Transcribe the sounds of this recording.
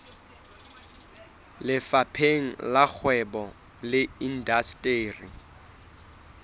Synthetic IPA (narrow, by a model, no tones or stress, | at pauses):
lɪfapʰeŋ̩lak͡xʰwɛbɔ | lɪin̩dastʼeːri